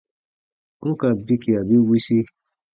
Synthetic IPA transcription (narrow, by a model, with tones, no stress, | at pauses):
ŋũ˦ka˧˨bi˦ki˨a˨bi˦wi˦si˦